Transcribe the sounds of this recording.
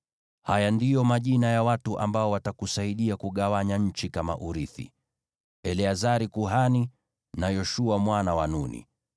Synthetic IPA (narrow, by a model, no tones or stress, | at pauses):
hajandijɔmaʄinajawatuʔa̰mbaɔwatakusaiɗiakuɠawaɲaɲ̩t͡ʃikama̰ʔuɾiθḭ | ɛliazaɾikuɦani | najɔʃuamwanawanunḭ